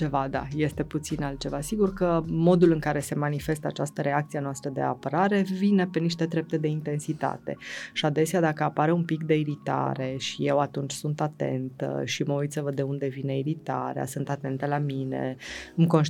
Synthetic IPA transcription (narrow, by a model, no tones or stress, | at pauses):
t͡ʃe̞vad̪a̰je̞st̪e̞put̪sinalt̪̚t͡ʃe̞vasiɡurkəmo̞d̪ulɨŋkaɾe̞se̞manife̞st̪əat͡ʃast̪əɾe̞ak̚t̪sienoast̪ɾəd̪e̞̰a̰pəɾaɾe̞vine̞pe̞niʃt̪ed̪ɾe̞p̚t̪e̞d̪e̞int̪e̞nsit̪a̰t̪e̞̰ʃiad̪e̞sead̪akəapaɾeumpikd̪e̞iɾit̪a̰ɾe̞ʃije̞wat̪unt͡ʃʲsunt̪at̪e̞̰nt̪ə̰ʃiməujt̪səvəd̪e̞und̪e̞vine̞iɾit̪aɾea̰sunt̪at̪e̞nt̪əlamine̞̰ɨmko̞nʃ